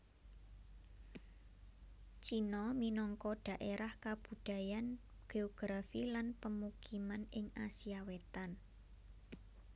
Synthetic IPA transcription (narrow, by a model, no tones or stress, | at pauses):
t͡ʃinɔminɔŋkɔɖ̥a̤ʔeɾahkab̥ṳɖ̥a̤jan | ɡ̥eɔɡ̥ɾafilanpəmukimanɪŋasiawet̪an